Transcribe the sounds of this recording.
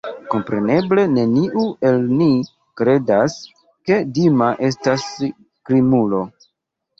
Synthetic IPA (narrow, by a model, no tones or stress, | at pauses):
ko̞mpɾe̞ne̞ble̞ne̞niʔue̞lni | kɾe̞das | ke̞dimaʔe̞s̬tas | kɾimulo̞